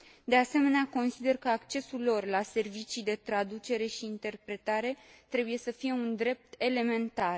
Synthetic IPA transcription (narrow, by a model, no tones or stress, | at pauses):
d̪e̞ase̞me̞neako̞nsid̪e̞rkəakt͡ʃe̞sulːo̞rlase̞rvit͡ʃijd̪e̞t̪ɾad̪ut͡ʃe̞ɾe̞ʃiːnt̪e̞rpɾe̞t̪aɾe̞t̪ɾe̞buje̞səfije̞und̪ɾe̞p̚t̪e̞le̞me̞nt̪ar